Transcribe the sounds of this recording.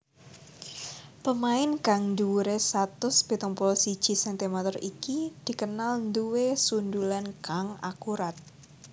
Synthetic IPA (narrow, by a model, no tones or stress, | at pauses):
pəmaɪnkaŋnd̪uuɾesat̪ʊspit̪ɔŋpɔlɔsid̥ʒ̥i̤sɛnt̪imat̪ɔrikid̪̥i̤kənalnd̪uwesund̪ulankaŋa̰kuɾat̪̚